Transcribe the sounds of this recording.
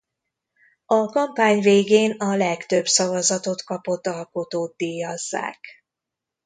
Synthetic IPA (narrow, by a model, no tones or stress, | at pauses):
ɒkɒmpaːɲveːɡeːnɒlɛkt̪ø̞bsɒvɒzɒt̪o̞t̪kɒpo̞t̪ːɒlko̞t̪oːt̪̚d̪iːjɒzːa̰ːk